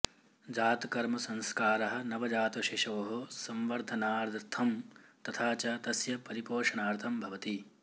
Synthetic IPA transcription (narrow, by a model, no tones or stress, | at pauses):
d͡ʒaːt̪kɐɾmɐsɐ̃nskaːɾɐɦɐ̆nɐʋɐd͡ʒaːt̪ɐʃeʃoːɦosɐmʋɐɾd̪ʱɐnaːɾd̪ʱɾt̪ʰɐmt̪ɐt̪ʰaːt͡ʃɐt̪ɐsjɐpɐɾipoːʂɐɳaːɾt̪ʰɐmbʱɐʋɐt̪i